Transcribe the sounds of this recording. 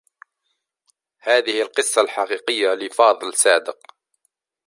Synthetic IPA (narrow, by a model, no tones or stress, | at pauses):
haːðɪhɪlqɨsˤːɑlħɑqiːqɪjːalɪfɑːðˤlsaːd̪əq